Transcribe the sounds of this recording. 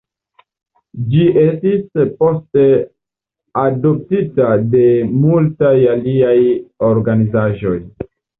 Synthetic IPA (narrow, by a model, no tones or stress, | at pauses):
d͡ʒiʔestispo̞ste̞ | ado̞p̚titade̞multajaliajo̞ɾɡanizaʒo̞j